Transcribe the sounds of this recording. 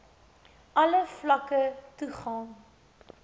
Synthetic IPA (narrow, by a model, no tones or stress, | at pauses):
ɐləflɐkətuχɑːn